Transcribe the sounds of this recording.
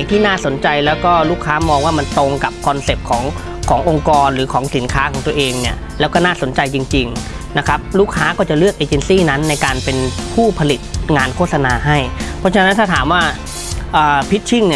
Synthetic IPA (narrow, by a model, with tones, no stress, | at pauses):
ŋt̪ʰiː˥˩naː˥˩so˩˦nt͡ɕa˧jlɛː˦˥wkɔː˥˩luː˥˩kʰːaː˦˥mɔː˧ŋwaː˥˩ma˧nt̪o˧ŋka˨˩p̚kʰɔ˧nse˨˩p̚kʰɔː˩˦ŋ | kʰɔː˩˦ŋʔo˧ŋkɔː˧nɾɯː˩˦kʰɔː˩˦ŋsi˨˩˦nkʰaː˦˥kʰɔː˩˦t̪u˧ɐ˧ʔeː˧ŋni˥˩ɐ | lɛː˦˥wkɔː˥˩naː˥˩so˨˩˦nt͡ɕa˧jt͡ɕi˧ŋt͡ɕi˧ŋ | na˦˥kʰɾa˦˥p̚luː˥˩k̚ʰːaː˦˥kɔː˥˩t͡ɕa˨˩lɯ˥˩ək̚ʔeː˧˩t͡ɕe˧nsiː˥˩na˦˥nːa˧jkaː˧npe˧npʰuː˥˩pʰa˧li˨˩t̪̚ŋaː˧nkʰo˥˩t̪̚sa˧naː˧ɦa˥˩jpʰɔ˦˥t͡ɕʰa˧˦na˦˥nt̪ʰa˥˩t̪ʰaː˩˦mwaː˥˩ | ʔɤː˨˩pʰi˦˥t̪̚t͡ɕʰi˥˩ŋni˧˥˩